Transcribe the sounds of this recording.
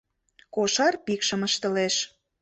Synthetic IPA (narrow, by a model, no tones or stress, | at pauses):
koʃɑrpikʃə̆məʃt̪ə̆leʃ